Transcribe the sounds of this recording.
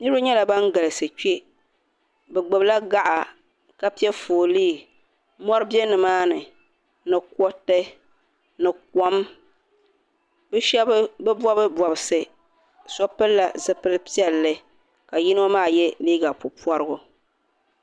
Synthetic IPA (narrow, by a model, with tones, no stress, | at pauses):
nɨ˦ɾɨ˦ɲɛ˦la˨ba˦ŋɡa˨lɨ˨sɨ˨t͡ʃe˦ | bɛ˨ɡ͡bɨ˨bla˦ɡa˦ʔa˨ | ka˦pi˦ɛ˦foː˨liː˦˨ | mɔ˦ɾɨ˦bjɛ˦nɨ˨maː˦nɨ˨ | nɨ˨kɔ˦tɨ˦ | nɨ˨k̚ɔ˦m | bɨ˦ʃɛ˦bbɛ˦bɔ˦bɨ˦bɔ˨bɨ˨sɨ˨ | sɔ˦pɨ˦lːa˨zɨ˨pɨ˦lɨ˦pi˦ɛ˦lːɨ˦ | ka˨ji˦n˦o˦maː˦˨jɛ˦liː˦ɡa˨pʊ˨pɔ˦ɾɨ˦ɡʊ˦